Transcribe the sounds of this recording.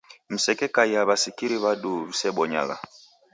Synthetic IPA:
m̩sɛkɛkajaβasikiɾiβaɗuβisɛɓɔɲa̰ɣa̰

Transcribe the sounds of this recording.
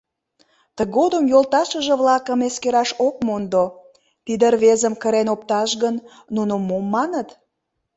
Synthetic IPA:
t̪əɣod̪əmjolt̪ɑʃəʒə̆βlɑkəmeskeɾɑʃok̚mond̪o | t̪id̪ərβezəmkəɾenop̚t̪ɑʃɣənː | unomomːɑnət̪

